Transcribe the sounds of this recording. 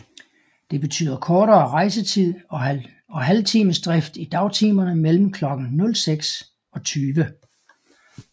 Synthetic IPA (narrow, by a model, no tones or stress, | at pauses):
d̥e̝b̥e̝t͡sʰy̰ːð̰ˠɐkʰɒːɾɐːʁɑ̈ɪsət͡sʰið̰ˠ | ɒ̽ɦælt͡sʰiːməsd̥ʁɛfd̥id̥ɑ̈ʊt͡sʰiːmɐnəmel̰m̩kʰlɒ̽ɡ̥n̩nɔ̽lseɡ̥s | ɒ̽t͡sʰyːʋə